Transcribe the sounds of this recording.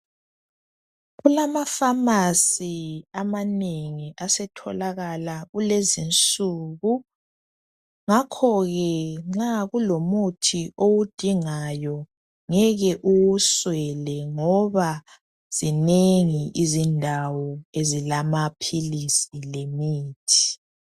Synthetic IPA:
ɣulamafamasiamaneŋiʔasɛtʰɔlaɣalaɣulezint͡sʼuɣu | ŋakʰɔɣɛŋ͡ǁaɣulomutʰiʔowud̥ʱiŋajɔ | ŋɛɣɛʔuwuswɛlɛŋɔβa | z̥ineŋiʔizindʱawɔezilamapʰilisilemiːtʰi̥

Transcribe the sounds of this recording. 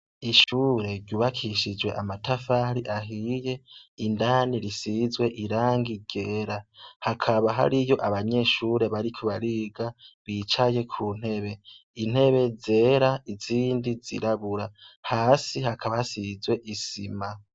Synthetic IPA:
iʃuːɾe̞ɾɟuːβakʰiʃid͡ʒwe̞̰ʔamatafaɾiʔaɦije̞indaːniɾisizwe̞ʔiɾaːŋɡiɟe̞ːɾahakʰaβaɦa̰ɾijo̞ʔaβaɲe̞ːʃuːɾe̞βaɾikʰuβaɾiːɡaβit͡ʃaje̞kʰuːn̥he̞βe̞ | in̥he̞βe̞ze̞ːɾaiziːndizḭɾaβuɾahaːsihakʰaβahasizwe̞ʔisima

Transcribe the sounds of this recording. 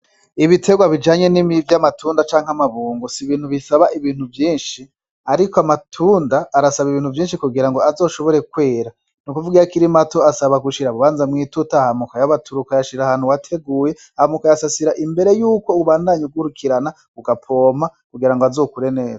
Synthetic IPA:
iβitʰe̞ɡwaβid͡ʒaːɲe̞nimivjamatʰuːndat͡ʃaːŋ̥hamaβuːŋɡosiβiːn̥huβisaβaʔiβiːn̥huvjiːnʃi | aɾikoamatʰuːndaːɾasaβiβiːn̥huvjiːnʃikuɡiɾaŋɡo̞azo̞ːʃo̞βo̞ɾe̞kwe̞ːɾa | nukuvuɡijakiɾimato̞asaβaɡuʃiɾaβuβaːnzamŋiːtutahamukajaβatʰuɾukajaʃiɾahaːn̥uwatʰe̞ɡuːje̞ | ahamukajasasiɾaʔimbe̞ɾe̞juːko̞uβaːndaːɲuɡwuɾukʰiɾana | uɡapʰo̞ːmakuɡiɾaŋɡoazo̞ːkuɾe̞ne̞ːza

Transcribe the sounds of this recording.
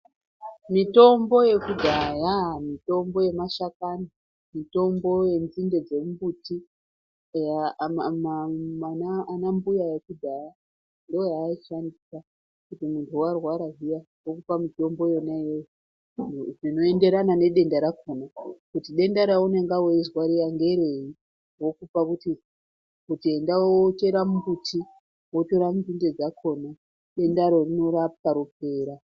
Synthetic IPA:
mito̞mbo̞je̞kudʱajamito̞mbo̞je̞maʃakana | mito̞mbo̞je̞nzinde̞d͡ze̞mubuti | jamamanaanambujaje̞kudʱaja | ndoojaːiʃandisa | kutimuntʰuwarwaɾaɦija | wokupamito̞mbo̞jonajeo | rino̞e̞nde̞ɾanane̞ɗe̞ndaɾakonakutiɗe̞ndaɾauneŋɡawoizwaɾijaŋɡe̞ɾei | wo̞kupakuti | kutie̞ndawot͡ʃe̞ɾamubutʰi | woto̞ɾamuzinde̞d͡zakʰo̞na | ɗe̞ndaɾo̞rino̞rap̚aɾup̚e̞ːɾa

